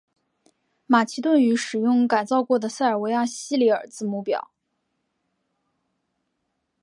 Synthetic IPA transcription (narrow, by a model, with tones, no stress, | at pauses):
ma˨˩t͡ɕʰi˧˥t̪wə˥˩ny˧˥ʂɻ̩˨˩jʊ˥˧ŋka˨˩ɪt͡sɑ˥˧ʊkwɔ˥˩d̪ə˩sa˥˩ɪə˞˨˩we˧˥ɪja˥˩ɕi˥li˧˥ə̰˞˨˩t͡sɹ̩˥mu˥˩pjɑ̰˨˩˦ʊ